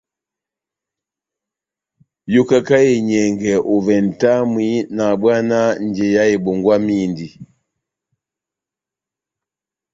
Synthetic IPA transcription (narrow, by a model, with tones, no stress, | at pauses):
ju˦ka˦ka˦e˨ɲɛ˨ŋɡɛ˨ʔu˨vɛ˨n̩˨ta˦mwi˦na˨bwa˦na˦n˨d͡ʒɛ˨ja˦e˨bɔ˨ŋɡwa˦mi˦˨ndi˨